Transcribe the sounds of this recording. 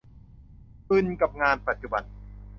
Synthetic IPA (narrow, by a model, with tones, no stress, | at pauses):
pɯ˧nka˨˩p̚ŋaː˧npa˨˩t̪̚t͡ɕu˧ba̰˧˩n